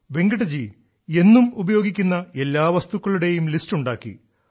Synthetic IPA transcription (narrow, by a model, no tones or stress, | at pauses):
ʋe̞ŋɡɐɽɐd͡ʑi | e̞nːumubɐjo̞ːɡikʲːunːɐe̞lːaːʋɐst̪ukːɐɭuɽe̞jumlistuɳɖaːkːḭ